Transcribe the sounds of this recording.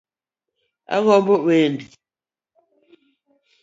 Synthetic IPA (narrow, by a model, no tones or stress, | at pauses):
a̰ɣɔmbowendi